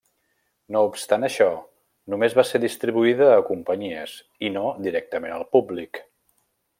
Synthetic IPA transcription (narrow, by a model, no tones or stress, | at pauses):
noupst̪anəʃɔ | numezβaseɾðist̪ɾiβuiðəːkumpəɲiəz | inod̪iɾɛk̚t̪əmenəlˠpublik